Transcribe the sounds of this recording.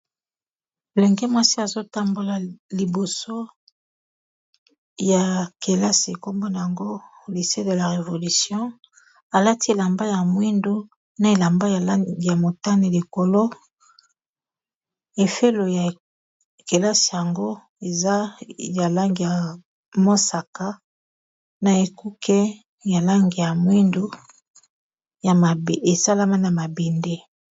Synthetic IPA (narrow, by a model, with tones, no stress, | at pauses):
lɛ˨ŋɡe˦ma˦si˦a˨zo˦ta˦mbo˨la˨li˨bo˨so˦ | ja˨ke˨la˦si˨e˨ko˦mbo˦na˨ja˨ŋɡo˦li˨se˦de˨la˨ʁe˨vo˨li˨sjɔ̃˦ | a˨la˦ti˦e˨la˨mba˦ja˨mwi˦ndo˦ | na˨e˨la˨mba˦ja˨la˦ɡi˨ja˨mo˨ta˦ni˨li˨ko˨lo˦ | e˨fe˦lo˨ja˨ | ke˨la˦si˨ja˨ŋɡo˦ | e˨za˦ja˨la˦ŋɡi˨ja˨ | mo˦sa˨ka˦ | na˨e˨ku˦kʰe˦ | ja˨la˦ŋɡi˨ja˨mwi˦ndu˦ | ja˨ma˨be˨sa˦la˦ma˦na˨ma˨be˨nde˦